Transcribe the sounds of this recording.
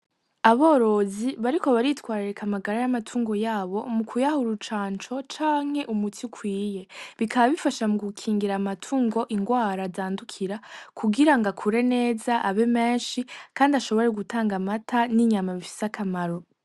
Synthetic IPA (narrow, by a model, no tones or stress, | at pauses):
aβo̞ːɾo̞ziβaɾiko̞βaɾitwaːɾiɾekʰamaɡaɾajamatʰuːŋɡo̞jaːβo̞mukʰujahuɾut͡ʃaːnt͡ʃo̞t͡ʃaːŋ̥he̞ʔumutʰikʰwiːje̞βikʰaβaβifaʃamuɡukʰiːŋɡiɾamatʰuːŋɡo̞ʔiŋɡwaːɾazaːndukʰiɾakʰuɡiɾaŋɡakʰuɾe̞ne̞ːzaʔaβe̞me̞ːnʃikaːndaʃo̞βo̞ɾeɡutʰaːŋɡamatʰaniɲamaβifi̥sakʰamaɾo̞